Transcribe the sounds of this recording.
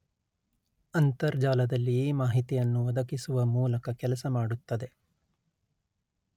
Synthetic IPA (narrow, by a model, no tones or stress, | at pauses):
ɐnt̪ɐɾd͡ʒaːlɐd̪ɐlːiːmaːɦit̪ijɐnːuʋɐd̪ɐkisuʋɐmuːlɐkɐkɛlɐsɐmaːɽut̪ːɐd̪e̞